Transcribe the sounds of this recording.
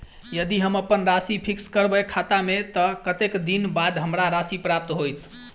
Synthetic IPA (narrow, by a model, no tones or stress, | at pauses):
jəd̪iɦəməpənɾasipʰikskəɾbəkʰat̪amet̪əkət̪ekd̪inbad̪ɦəmɾaɾasipɾap̚t̪ɦojt̪